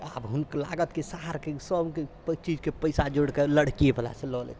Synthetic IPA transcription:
a̰bɦunkla̰ɡət̪kesaɦaɾkesəbke | t͡ʃid͡ʒkepəjsad͡ʒoɽkeləɽkiebəla̰sẽlɔlḛ

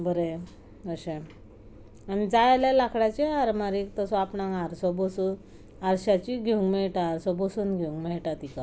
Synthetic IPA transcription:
bəɾe | əɕẽ | anid͡zajlalakʰɽat͡ɕeaɾmaɾikt̪ɔsɔapnãŋɡaɾsɔbɔsu | aɾɕat͡ɕiɡʱeuŋɡmɛɭʈaːɾsɔbosuːnɡʱeuŋɡmɛɭʈat̪ika

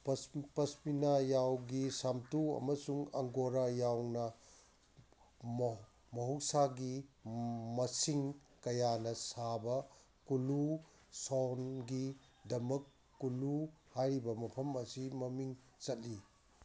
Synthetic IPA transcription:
ppɐspinajawɡisamtuɐ̰mɐsuŋɐ̰ŋɡoɾajawnɐ | mɐɦuwsaɡi | mɐsiŋ | kɐjanɐsabɐ | kulu | sɔnɡi | dɐmɐkː | uluhajɾibɐmɐpʰɐmɐsimɐmiŋ | t͡ʃɐt̚li

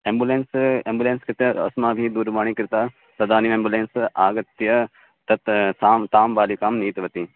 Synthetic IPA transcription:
embuleːnseːmbuleːnskɪt̪jɐɐ̰smaːbʱid̪uːɾbaːɳ̃ikɾt̪aː | t̪ɐd̪aːnimẽːmbuleːnsaːɡɐt̪jɐ | t̪ɐt̪saːmt̪aːmbaːliːkaːmniːt̪ʋɐt̪iː

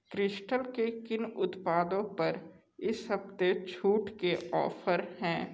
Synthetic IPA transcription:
kɾɪʃʈəlkekɪnʊt̪paːd̪õpɐɾ | ɪsɦɐbt̪et͡ʃʰuːʈkeʔɔ̰ːfʰəɾhɛ̃ː

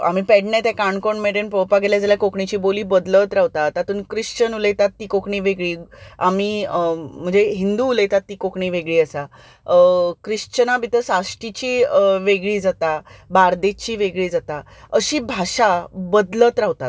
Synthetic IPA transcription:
a̰m̤iːpɛɽɳjat̪jakaɳkoɳmeʈenpɾowpaɡeljad͡zaljakokɳit͡ɕiːboliːbəd̪lət̪ɾaɦʋt̪at̪at̪uːnkɾiʂt͡ɕənulet̪at̪ːiːkokɳiːʋeɡɭiːamiːm̤əɳd͡zeɦind̪uːlejt̪at̪ːiːkokɳiːʋeɡɭiːəsa | kɾiʂt͡ɕənabʱit̪əsaʂʈit͡ɕiːəʋeɡɭiːd͡zat̪abaɾd̪et͡ɕiːʋeɡɭiːd͡zat̪a | əɕiːbʱaɕabəd̪lət̪ɾaɦt̪at̪

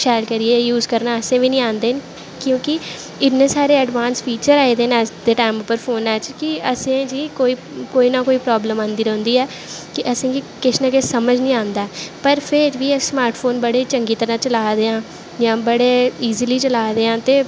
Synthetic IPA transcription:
ʃɛːɾkəɾieːjuːzkəɾnaːəsẽːʋiːnĩːãːnd̪eːn | kjõːkɪ | ɪnẽːsaːɾeːəɖʋãːnspʰiːt͡ʃəɾaːid̪eːnɛːsd̪eːʈaːɪmʊpːəɾpʰoːnɛːt͡ʃkɪəsẽːd͡ʒiːkoːiː | koːiːnãːkoːiːpɾɔːbləmãːnd̪iːɾɛ̃ːʊ̃nd̪iːɛː | kɪʔəsẽːd͡ʒiːkɪt͡ʃnəkɪsəməd͡ʒnĩːãːnd̪aːpəɾpʰɪɾʋiːsmaːɾʈfʰoːnbəɽeːt͡ʃəŋɡiːt̪əɾãːt͡ʃəlaːd̪eːãː | jãːbəɽeːiːziːliːt͡ʃəlaːd̪eːãːt̪eː

